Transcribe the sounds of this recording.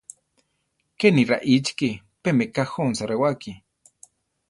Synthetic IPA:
keniɾa̰ʔit͡ʃki | pemekahonsaɾewaki

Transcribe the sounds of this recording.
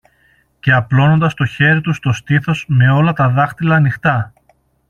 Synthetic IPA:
ce̞ɐplo̞no̞nd̪ɐst̪o̞çe̞ɾit̪ust̪o̞st̪iθo̞zme̞o̞lɐt̪ɐðɐxt̪ilɐːnixt̪ɐ

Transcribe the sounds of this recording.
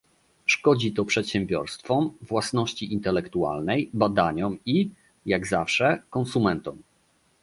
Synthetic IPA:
ʂkɔd͡ʑit̪ɔpʂɛt̪ɕɛ̃mbʲjɔɾst̪fɔmvwasnɔɕt͡ɕiʔint̪ɛlɛkt̪ua̰lnɛjbad̪aɲɔmi | jaɡzafʂɛkɔnsumɛnt̪ɔm

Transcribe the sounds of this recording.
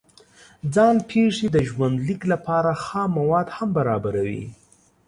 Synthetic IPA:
d͡zɑnpʰeʂed̪əʒwand̪liklapɑɾaxɑmawɑd̪hambaɾɑbaɾawḭ

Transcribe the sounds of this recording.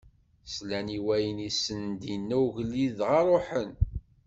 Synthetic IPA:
slæniwæjənisənd̪inːæwʝəlːiðʁɑɾˤoħən

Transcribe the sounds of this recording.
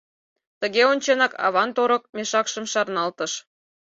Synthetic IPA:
t̪əɣeonʲt͡ɕenɑkɑ̰βɑnt̪oɾə̆k̚meʃɑkʃə̆mʃɑrnɑlt̪ə̆ʃ

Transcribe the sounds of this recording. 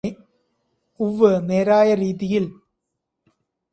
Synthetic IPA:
uʋːɨneːɾaːjɐɾiːðijil

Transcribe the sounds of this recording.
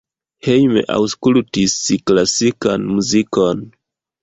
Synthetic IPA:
hejmḛʔa̰wskultisklasikanmuzikon

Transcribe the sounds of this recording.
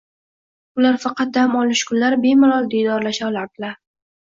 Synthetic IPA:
ʊlaɾfɑqɑt̪̚d̪amɒlɪʃkʰʊnlaɾɪbe̞mʊlˠɒlˠd̪ed̪ɒɾlaʃalaɾd̪ɪlaɾ

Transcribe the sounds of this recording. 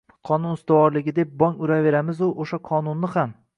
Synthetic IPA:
qʰɒnʊnɪst̪ɪwɒɾlɪɡʲɪd̪e̞p̚bɒŋʊɾave̞ɾamɪzʊʔoʃaqʰɒnʊnːɪham

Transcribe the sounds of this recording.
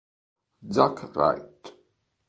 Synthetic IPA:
d͡zakʰra̰jtʼ

